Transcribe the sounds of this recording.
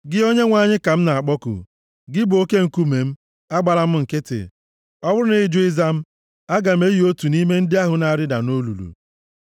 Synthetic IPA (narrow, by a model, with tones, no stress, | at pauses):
ɡɪ˦o˦ɲe˦ŋʷa˦ɲɪ˦ka˨m̩˦na˨a˨k͡pɔ˦kʊ̰˨ | ɡɪ˦bʊ˨o˦ke˦ŋ̩˨ku˦me˨m̩˦ | a˦ɡ͡ba˨la˦m̩˦ŋ̩˨kɪ˦tɪ̰˨ | ɔ˦bʊ˦ɾʊ˦nɪ˨˦d͡ʒʊ˦ɪ˦za˦m̩˦ | a˦ɡa˨m̩˦e˦ji˦o˦tu˨ni˦me˦n̩˦dɪ˦a˦ɦʊ˨na˨a˨ɾɪ˦da˨no˦lu˨lṵ˨